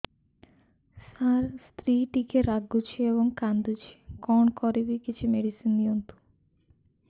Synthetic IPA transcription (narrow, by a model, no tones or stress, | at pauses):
saɾst̪ɾiʈikeɾaɡut͡ʃʰiebɔŋkand̪ut͡ʃʰi̥kɔɳkɔɾibikit͡ʃʰimeɖisinniont̪u̥